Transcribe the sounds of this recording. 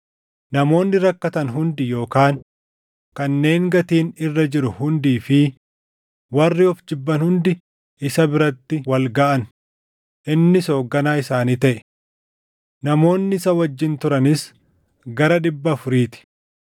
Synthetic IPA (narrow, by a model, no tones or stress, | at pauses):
nɐmo̞ːnːɪɾɐkːɐt̪ɐnɦʊnd̪ɪjo̞ːkaːn | kɐnːe̞ːŋɡɐt̪iːnɪrːɐd͡ʒɪɾʊhʊnd̪iːfɪ | wɐrːɪɔfd͡ʒɪbːɐnhʊnd̪ɪ | ʔɪsɐbɪɾɐt̪ːɪwɐlɡaːʔɐn | ʔɪnːɪso̞ːɡːɐnaːɪsaːniːt̪ɐʔɛ̥ | nɐmo̞ːnːɪɪsɐwɐd͡ʒːɪnt̪ʊɾɐnɪs | ɡɐɾɐᶑɪbːɐːfʊɾiːt̪ɪ̥